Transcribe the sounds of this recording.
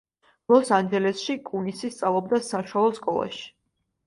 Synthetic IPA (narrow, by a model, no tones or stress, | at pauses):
lˠɔsand͡ʒɛlɛsʃikʼunisist̪sʼavlˠɔb̚d̪asaʃwalˠɔskʼɔlˠa̰ʃi̥